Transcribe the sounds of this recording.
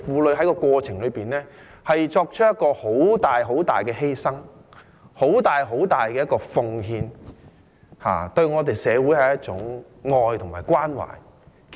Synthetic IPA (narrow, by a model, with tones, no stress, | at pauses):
fuː˨˧lɵ˨˧ɥɦɐ˨˥jkɔː˧kʷɔː˧t͡sʰɪ˨˩ŋlɵ˨˧ɥpiː˨˩nlɛː˥hɐ˨jt͡sɔː˧k̚t͡ʃʰt̚jɐ˥t̚kːɔː˧ho˨˥wt̪aː˨˩jɦo˨˥wt̪aː˨jkɛː˧ɦe˥jsɐ˥ŋ | ho˨˥wt̪aː˨jɦo˨˥wt̪aː˨jkɛː˧jɐ˥t̚kɔː˧fʊ˧ŋɦiː˧n | ha̰ː˨t̪ɵ˧ɥŋɔː˨˧t̪e˨jsɛː˨˧wu˨˥jhɐ˨jɐ˥t̚t͡sʊ˨˥ŋ | ŋɔː˧jt̪ʰʊ˨˩ŋmaː˨˩jkwaː˥nwa̰ː˨˩j